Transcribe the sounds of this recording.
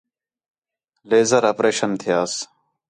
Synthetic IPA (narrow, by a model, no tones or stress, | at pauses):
leːzəɾaːpɾeːʃənt̪ʰɪjaːs